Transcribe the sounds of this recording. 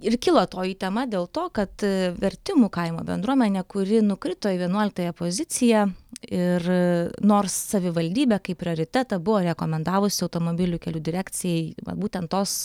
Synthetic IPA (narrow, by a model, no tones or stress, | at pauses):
ɪrkʲɪlˠoːt̪oːjiːt̪ʲɛmɐd̪ʲeːlˠt̪oːkɐt̪ʋʲɛɾʲt̪ʲɪmuːkɐɪmo̰ːbʲɛ̰nd̪ɾuɔmʲɛnʲɛkʊɾʲɪnʊkɾʲɪt̪oːʋʲiɛnuɔlʲɪk̚t̪ɐːjɛpozʲɪt̪sʲɪjɛɪrnoːrssɐʋʲɪʋɐlʲd̪ʲiːbʲɛkɐɪpʲɾʲɪoːɾʲɪt̪ʲæt̪ɐbʊʋoːɾʲɛkoːmʲɛnd̪ɑːʋʊsʲɪɐʊt̪oːmoːbʲɪlʲʊkʲɛlʲuːd̪ʲɪɾʲæːkt͡ssʲɪjɛɪʋɐ̰buːt̪ʲɛnt̪t̪oːs